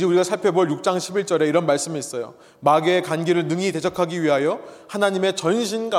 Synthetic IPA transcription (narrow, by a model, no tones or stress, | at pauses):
d͡ʑeuɾiɡasʰaɭpʰe̞boɭjuk̚t͡ɕ͈aŋɕʰibiɭt͡ɕ͈ʌɾe̞iɾʌnmaɭs͈ɯmiːs͈ʌjo̰ | maɡeːkanɡeɾɯɭnɯŋite̞d͡ʑʰʌkʰaɡiɥiɦajohanaɲime̞t͡ɕʌnɕʰinɡa